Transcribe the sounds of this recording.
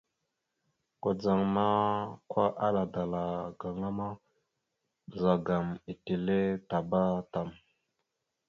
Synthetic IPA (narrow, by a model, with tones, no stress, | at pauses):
ɡ̥o˨d͡za˨ŋma˦kʰʷa˦ʔa˦la˨da˨la˨ɡ̥a˨ŋa˦ma˦˨ | za˨ɡa˨mi˨ti˨le˦ta˨ba˦ta˨m